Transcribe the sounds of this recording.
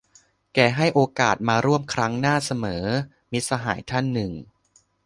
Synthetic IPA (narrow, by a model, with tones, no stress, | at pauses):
kɛː˧˩ɦa˥˩jʔoː˧kaː˨˩t̪̚maː˧ɾu˥˩əmkʰɾa˦˥ŋnaː˥˩sa˧mɤː˩˦ | mi˦˥t̪̚sa˧ɦa̰ː˩˦jt̪ʰa˥˩nːɯ˨˩ŋ